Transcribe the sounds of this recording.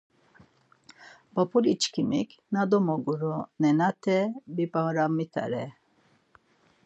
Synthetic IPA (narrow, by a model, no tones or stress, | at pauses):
bɔpʰʼulit͡ʃkʰimḭkʰnad̪ɔmɔɡuɾɔnɛnat̪ʰɛbipʼaɾamit̪ʰa̰ɾɛ